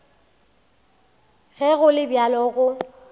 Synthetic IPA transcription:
ɣɛɣʊlɪbjalɔɣʊ

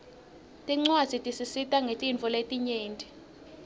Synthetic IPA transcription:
tʼiŋ͡ǀwḁz̥ʱitʼisisitʼaŋɡʱetʼiɱt͡fɔletʼiɲeːntʼi̥

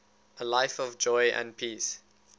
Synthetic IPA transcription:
ʔəlaɪfɔvd͡ʒɔɪʔə̰̃nd̚pʰiːs

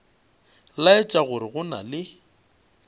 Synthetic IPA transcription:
laɪt͡ʃʼaɣʊɾɪɣʊna̰lɪ

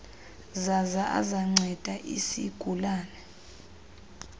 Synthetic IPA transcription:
zazaʔa̰zaŋ͡ǀʱɛd̥ʱaʔḭsiɡ̥ʱulaːnɛ

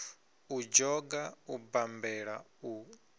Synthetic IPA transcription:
ud͡ʒɔɡaubambɛɺau

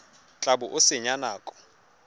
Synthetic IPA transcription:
t͡ɬʼaɓuʔʊsɪɲanaːkʼɔ̥

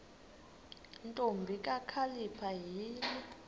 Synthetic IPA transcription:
ntʼombʱikʼakʰalipʰaɦiːni

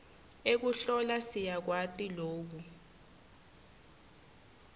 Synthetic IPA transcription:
ek̬uɬɔlasijak̬watʼiloːɓu

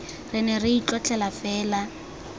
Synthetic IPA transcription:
rɪnɛrɪit͡ɬɔt͡ɬʰʼɛlafɛːla

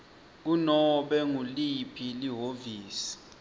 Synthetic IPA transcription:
k̬unɔɓɛŋulipʰiliɦoviːsi̥

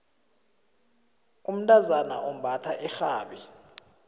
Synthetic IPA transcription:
um̩ntʼazana̰ʔɔm̩bʱatʰaʔɛxaːɓi

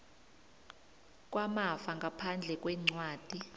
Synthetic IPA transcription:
kʼwamafaŋɡʱapʰand͡ɮʱɛk̬ʼwɛŋ͡ǀwaːd̥ʱi

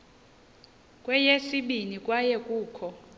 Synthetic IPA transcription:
kʼwɛjesiɓinikʼwajɛkʼuːkʰɔ

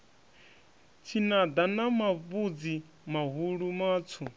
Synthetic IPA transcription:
t͡sʰinad̪anamavud͡zi | maɦuɺumaːt͡sʰu

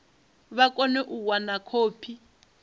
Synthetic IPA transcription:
βakʼɔnɛʔuwanakʰoːpʰi

